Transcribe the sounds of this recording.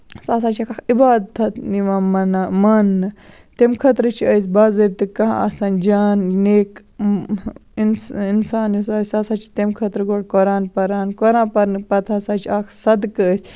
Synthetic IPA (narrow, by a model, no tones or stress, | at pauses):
saːs̬aːt͡ʃʰakʰaːkibaːd̪̚t̪ʰɐt̪niʋamɐnamɐnːɨ | t̪emkʰɐt̪ɾɨt͡ʃʰiəsʲbaːzɐb̚ʲt̪ɨkɐɦaɐ̰saːnd͡ʒaːnneːk | insinsaːnjusaːsʲsaːsaːt͡ʃʰi̥t̪emkʰɐt̪ɾɡoɽkoɾaːnpɐɾaːnkoɾãːpɐɾnɨpɐt̪ʰaːsaːt͡ʃʰiaːkʰsɐd̪kəːsʲ